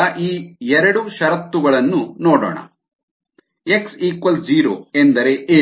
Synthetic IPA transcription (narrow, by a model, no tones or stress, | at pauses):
ɐʔiːɛɾɐɽuʃɐɾɐt̪ːuɡɐɭɐnːunoːɽo̰ːɳɐ̰ | e̞ksiːkʋɐld͡ʒiːɾo̰ːend̪ɐɾe̞ʔeː